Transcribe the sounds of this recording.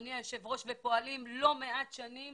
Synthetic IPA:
niaʃevʁo̞ʃvepo̞alimlo̞meat̪ʃanim

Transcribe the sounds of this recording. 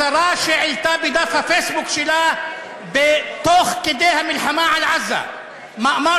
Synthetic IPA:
aɾˤaːʃɪʕɪlt̪abɪd̪afhafeːsbʊkʃɪla | bɪt̪oːxkɪd̪eːhamɪlħamaːʕalʕazːa̰ | maʔma

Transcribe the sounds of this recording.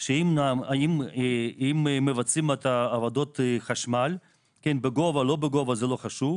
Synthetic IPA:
ʃeimnamaim | immevat͡simet̪aːvad̪ot̪χaʃmal | kenbeɡovalobeɡovazeloχaʃuv

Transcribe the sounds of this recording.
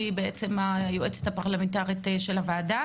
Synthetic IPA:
ibeet͡se̞majoʔet͡se̥t̪hapaʁlamentaʁit̪ʃe̞lavaːda

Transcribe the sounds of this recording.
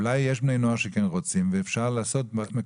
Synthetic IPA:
lajːeʃ̬bnejnoaʃekenʁot͡simveːfʃaʁlaːso̞tme

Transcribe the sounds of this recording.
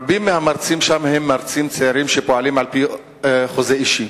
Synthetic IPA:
bimːehamaɾt͡simʃamhemːaɾt͡simt͡sejaɾimʃepoalimʕalpi | χozeiʃi

